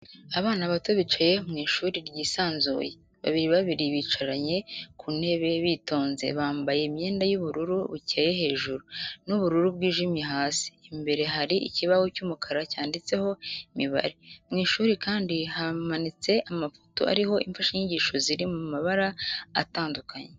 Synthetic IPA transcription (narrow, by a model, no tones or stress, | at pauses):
aβaːnaβato̞βit͡ʃaje̞mŋiːʃuːɾiɾɟiːsaːnzṵje̞ | βa̰βiɾiβaβiɾiβiːt͡ʃaɾaɲe̞kʰune̞βe̞βiːto̞ːnze̞̰βaːmbaje̞imɲe̞ːndajuβuɾuɾuβucaje̞ɦe̞ːʒuɾunuβuɾuɾubɡiːʒimjeɦaːsi̥ːmbe̞ɾe̞ɦaɾiʔḭciβawocumukʰaɾacaːndit͡se̞ho̞imiβa̰ɾimŋiːʃuːɾikaːndihamanit͡se̞ʔamafo̥to̞̰ʔa̰ɾiho̞ʔiɱfaʃaɲiɟiːʃo̞ziɾimumaβaɾaa̰taːndukʰaɲe